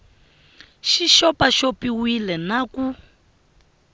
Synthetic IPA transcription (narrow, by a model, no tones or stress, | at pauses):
ʃiʃɔpaʃopiwilɛnaku